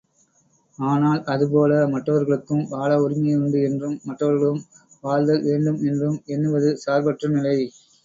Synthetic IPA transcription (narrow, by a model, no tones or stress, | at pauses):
aːnaːlɐðɯpoːlɐmɐʈrɐʋɐɾɣɐɭɯkːɯmʋaːlɐʊɾɪmɐjʊɳɖɯɛndrɯmːɐʈːrɐʋɐɾɣɐɭɯm | ʋaːld̪ɐlʋeːɳɖɯmɛndrɯmɛnːɯʋɐðɯsaːɾbɐʈrɐnɪlɐɪ